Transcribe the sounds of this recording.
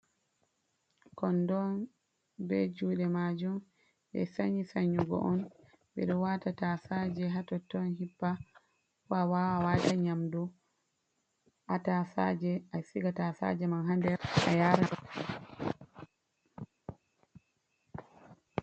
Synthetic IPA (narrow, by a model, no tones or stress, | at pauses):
kɔndɔn | bɛd͡ʒuːɗɛmad͡ʒum | ɓɛ̰saɲisaɲːuɡɔ̰ʔɔn | ɓɛ̰ɗɔwatatasad͡ʒɛɦatɔtːɔnɦibːa | fawawawataɲamdɔ | ʔatafa̰d͡ʒɛasiɡatasa̰d͡ʒɛmanɦandɛɾa̰jaːɾaɔ